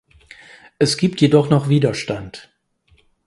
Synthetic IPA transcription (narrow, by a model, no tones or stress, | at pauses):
ʔɛsɡ̥iːp̚tjedɔχnɔχv̥iːdɐʃtant